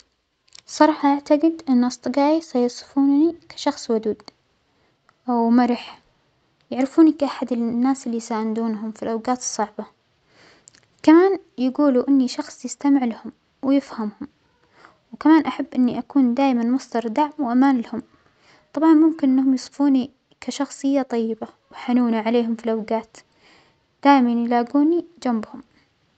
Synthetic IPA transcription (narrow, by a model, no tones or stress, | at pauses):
sˤɑɾˤɑːħɑʔaʕt̪aɡɪd̪ʔɪnːʔɑsˤt̪ˤɨɡɑːʔisɑjʊsˤɨ̥fuːnnikḁʃɑxsˤwʊd̪uːd̪ | ʔawmaɾɪħ | jaʕɾɪfuːnikʔaħad̪ɪnːaːsɪlːisaːʔnd̪uːnɦʊmfilʔawɡaːt̪ɨ̥sˤːɑʕbɑ | kamaːnjaɡuːluʔɪnːiʃɑxsˤjɪst̪amɪʕlahʊm | wɪjɪfhamhʊm | wkamaːnʔaħabːʔɪnːiʔakuːnd̪aːjmanmʊsˤd̪ɑɾˤd̪aʕmwʔamaːnlahʊm | t̪ˤɑbʕɑnmʊmkɪnʔɪnːhʊmjɨsˤfuːni | kaʃɑxsˤɨjːat̪ˤɑjːɪbawħanuːnaʕaleːɦʊmfilʔawɡaːt̪ | d̪̥aːjmanjɪlaːɡuːnid͡ʒambhʊm